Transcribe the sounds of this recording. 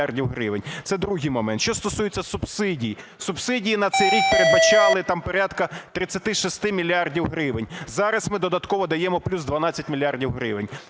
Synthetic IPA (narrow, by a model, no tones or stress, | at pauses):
ardʲiwɦɾɪʋenʲt̪sɛd̪ɾuɦɪjmɔmɛnt̪ʃt͡ʃɔst̪ɔsujet͡sʲːɐsʊbsɪdʲijisʊbsɪdʲijinɐt̪sɛjɾʲik̚peɾed̪bɐt͡ʃɑlˠɪt̪ɑmpɔɾʲad̪kɐt̪ɾɪt͡sʲːɐt̪ɪʃɔst̪ɪmʲilʲiɑrdʲiwɦɾɪʋenʲzɑɾɐsmɪd̪ɔd̪ɐt̪kɔʋɔd̪ɐjɛmɔplʲuzd̪ʋɐnɑt͡sʲːɐtʲmʲilʲjɑrdʲiwɦɾɪʋenʲ